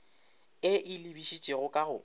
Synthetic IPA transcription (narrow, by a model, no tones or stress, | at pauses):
ɪʔɪlibiʃit͡ʃʼeɣʊkʼaɣʊ